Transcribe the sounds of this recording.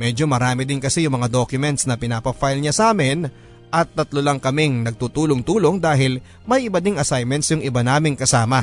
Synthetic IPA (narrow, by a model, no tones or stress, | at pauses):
mɛːd͡ʒo̞mɐɾaːmɪd̪ɪnkɐsɛjʊŋmɐŋad̪okjʊmɛnt̪snɐpɪnaːpɐfajlɲasaːmɪn | ʔɐt̪ːɐt̪lolɐŋkɐmɪŋnɐɡ̚t̪uːt̪uːloŋt̪uːlo̞ŋd̪aːɦɪl | mɐjʔɪbɐd̪ɪŋɐsajmɛnt̪sjʊŋʔɪbanaːmɪŋkɐsaːmɐ